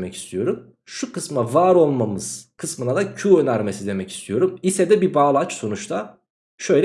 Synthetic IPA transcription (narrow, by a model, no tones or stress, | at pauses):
mɛcist̪ʰijo̞ɾum | ʃukʰɯsmavaːɾo̞lˠmamɯz̥kʰɯsmɯnad̪acʰuønæɾme̞sid̪e̞mɛci̥st̪ʰijo̞ɾumisɛd̪ɛbibaːlˠat͡ʃso̞nut͡ʃt̪ʰa | ʃø̞jlʲ